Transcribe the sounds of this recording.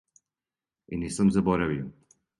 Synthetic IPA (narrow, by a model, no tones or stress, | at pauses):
inisəmzɐbɔɾaviw